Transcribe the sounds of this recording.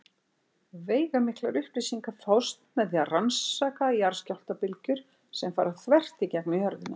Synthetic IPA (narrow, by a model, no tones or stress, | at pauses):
veːjɣamɪhklaɾʏhpɾɪsiŋkafawst̪mɛðiaransːaːkaijaɾ̥scawl̥t̪apɪlcʏɾ̥ | sɛmfaːɾaθvɛr̥t̪icɛknʏhœɾðɪna